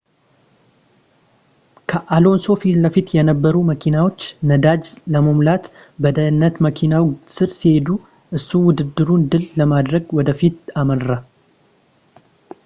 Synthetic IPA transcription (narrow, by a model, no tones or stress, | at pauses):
kʰəʔalo̞nso̞filəfit̪jɛnəbːəɾuməkʰinawo̞t͡ʃːnəd̪ad͡ʒləməmlat̪ | bəd̪əjɨnːət̪məkʰinawsɨɾsihe̞d̪u | ʔɨsːuwʊd̪ɨd̪ːɨɾund̪ɨlləmad̪ɾəɡwɔd̪əfit̪amənɾa